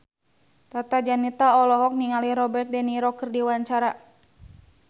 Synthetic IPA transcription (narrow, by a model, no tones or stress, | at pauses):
t̪at̪ad͡ʒanit̪aɔlɔɦɔk̚niŋaliɾɔbɛrt̪̚dɛniɾɔkərdiwaɲt͡ʃaɾa